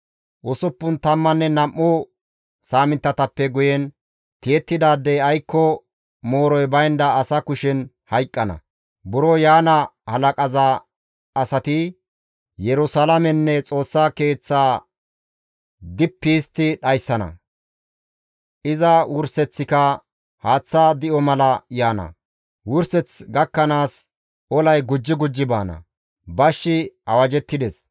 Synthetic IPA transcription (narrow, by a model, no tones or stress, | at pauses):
ʔʊsʊpːʊnt̪ɐmːɐnːɛnɐmʔːʊ | saːmɪnt̪ːɐt̪ɐpːɛɡʊjɛn | t̪ijɛt̪ːɪd̪aːd̪ːɛjɐjkːɔ | moːɾɔjbɐjnd̪ɐːsɐkʊʃɪn | hɐjkʼːɐnɐ̰ | bʊɾɔjaːnɐhɐlɐkʼɐzɐ | ɐsɐt̪ɪ | jɛɾʊsɐlɐmɛnːɛt͡sʼo̞ːsːaːke̞ːt͡sːaː | d̪ɪpːiːst̪ːɪɗɐjsːɐnɐ̰ | ʔɪzɐwʊɾsɛt͡sːɪkɐ | haːt͡sːaːd̪ɪʔɔmɐlɐjaːnɐ̰ | wʊɾsɛt͡sɡɐkːɐnaːs | ɔlɐjɡʊd͡ʒːɪɡʊd͡ʒːɪbaːnɐ̰ | bɐʃːɪɐwɐd͡ʒɛt̪ːɪd̪ɛs